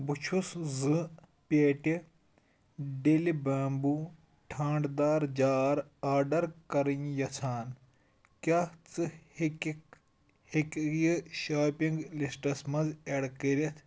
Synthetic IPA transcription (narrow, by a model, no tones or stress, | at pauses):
but͡ʃʰuszɨ | pʲeːʈi | ɖelibaːmbu | ʈʰaːɳɖd̪aːɾd͡ʒaːɾaːɾɖɐɾkɐɾinjɐt͡sʰaːn | kʲaːt͡sɨ | hikjɨʃaːpiŋɡlisʈɐsmɐzeɽkəɾʲɐt̪ʰ